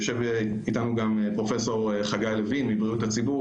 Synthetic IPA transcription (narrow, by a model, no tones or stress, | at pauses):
oʃe̞v | itanuɡam | pʁo̞fe̞so̞ʁ | χaɡajlevinmibʁiutat͡sibu